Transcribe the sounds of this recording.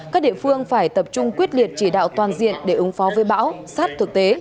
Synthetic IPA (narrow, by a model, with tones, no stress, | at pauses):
kaː˦˥k̚ɗḭ˧˨fɨ˧əŋfaː˧˩jt̪ə˨˩p̚t͡ɕʊ˧ŋ͡mkwi˦˥ət̚li˨˩ət̚t͡ɕi˧˩ɗa̰ː˧˨wt̪waː˨˩nzḭ˧˨ənɗe˧˩ʔɨ˨˦ŋfɔ˨˦vəː˨˦jɓa̰ː˧˥wsaː˦˥t̚t̪ʰɨ˨˩k̚t̪e˨˦